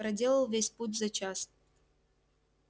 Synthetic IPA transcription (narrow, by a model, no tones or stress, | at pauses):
ɾɐdʲe̞lˠəlˠvʲesʲputʲzɐt͡ɕas